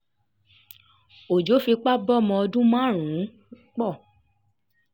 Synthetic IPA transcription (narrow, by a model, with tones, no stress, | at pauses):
o˨d͡ʒo˨˦fi˧k͡pa˦bɔ˦˨mɔ̃˧ɔ˧dũ˦mã˦˨ɾ̃ũ˨˦ | k͡pɔ˦˨